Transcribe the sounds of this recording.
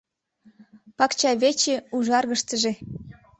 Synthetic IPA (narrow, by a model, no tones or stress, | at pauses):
pɑkt͡ɕɑβet͡ɕeuʒɑrɣəʃt̪əʒĕ